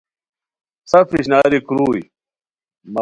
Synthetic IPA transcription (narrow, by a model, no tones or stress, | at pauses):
sɐfiɕnaːɾikɾuːj | ma